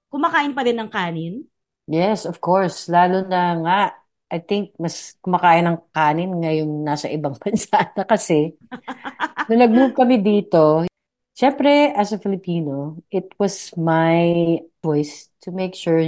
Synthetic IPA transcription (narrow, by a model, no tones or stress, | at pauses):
kʊmakaːʔɪnpɐd̪ɪnːɐŋkaːnɪn | jɛsɔv̥koɹslaːlʊnɐŋaʔ | ʔɐjt̪ɪŋk̚mɐskʊmɐkaːʔɪnɐŋkaːnɪnŋɐjoŋnaːsɐʔɪbɐŋpɐnsaːd̪ɐkɐsɛ | nɐnɐɡ̚mub̚kɐmɪd̪iːt̪o | ʃɛmpɾɛʔɐsɐfɪlɪpiːnoʔɪt̪wɐsmajt͡ʃɔjst̪ʰʊmejkʃuɹ